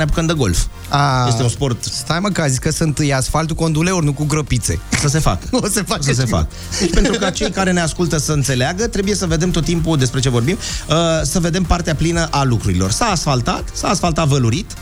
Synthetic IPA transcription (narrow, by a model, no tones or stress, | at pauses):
neapukənd̪əɡo̞̰lf | aeseunspo̞rt̪st̪ajmokazijkəsɨnt̪ɨjasfalt̪uko̞nd̪uleornukuɡɾopit̪se̞̰osəse̞fa̰kosefass̬efa̰k | d̪et͡ʃpent̪uukat͡ʃe̞jkaɾe̞ne̞askult̪əsəɨnt̪se̞leaɡət̪ɾe̞buje̞səve̞d̪e̞mt̪ot̪ːimpud̪e̞spɾe̞t͡ʃe̞vo̞rbiməsəve̞d̪e̞mpart̪eaplinəʔalukɾuɾilo̞rsaːsfalt̪at̪saːsfalt̪at̪vəluɾit̪